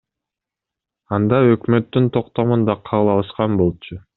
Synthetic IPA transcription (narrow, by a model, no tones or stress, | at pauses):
ɑnd̪ɑø̞kmø̞t̪ːynt̪ʰo̞q̚t̪o̞mund̪ɑqʰɑlˠɑlˠɯʃqɑnbo̞lˠt͡ʃu